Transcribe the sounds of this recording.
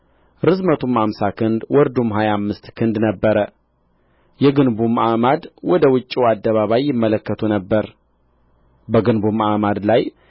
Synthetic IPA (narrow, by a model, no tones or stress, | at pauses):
ɾɨzmət̪ʰumamsakʰɨnd̪wɔɾd̪umɦajamːɨst̪kʰɨnd̪nəbːəɾə | jɛɡɨnbumamad̪wɔd̪əwʊt͡ʃʼːiad̪ːəβaβajːɪmːələkːət̪ʰunəbːəɾ | bəɡɨnbumamad̪laj